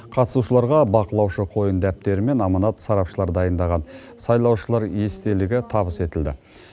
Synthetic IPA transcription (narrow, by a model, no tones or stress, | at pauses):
qʰɑt̪ə̥suʃəlˠɑɾʁɑbɑqəlˠɑwʃəqʰo̞jənd̪æp̚t̪e̞ɾɪme̞nɑmɑnɑt̪sɑɾɑpʃəlˠɑɾd̪ɑjənd̪ɑʁɑn | sɑjlˠɑwʃəlˠɑɾje̞st̪e̞lɪɡʲɪt̪ʰɑbəse̞t̪ɪld̪ɪ̰